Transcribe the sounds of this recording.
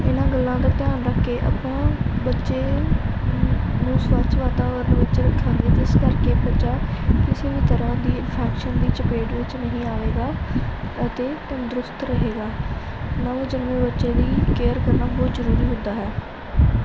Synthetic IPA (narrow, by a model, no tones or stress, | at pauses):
ɪnãːɡəlːãːd̪aːt̪ɪjaːnɾəkʰːeːʔə̰pãːbətːʃeː | nũːsʋaːt͡ʃʋaːt̪aːʋəɾənʋɪt͡ʃɾəkʰːãːɡ̪eːt̪eskəɾkeːbət͡ʃaːkɪseːʋiːt̪əɾãːd̪iːɪnpʰɛːkʃənd̪iːt͡ʃəpeːʈʋɪt͡ʃnəɦĩːaːʋeːɡaː | ət̪eːt̪ə̃nd̪ɾʊst̪ɾəɦeːɡaː | nãːd͡ʒənmẽːbətːʃeːd̪iːkeːəɾkəɾnaːbɔːt̪zəɾuːɾiːɦʊ̃nd̪aːɦɛː